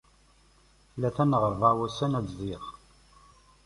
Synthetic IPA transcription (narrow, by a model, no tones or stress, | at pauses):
læθænʁəɾˤvawæsænæt͡szˤiʁ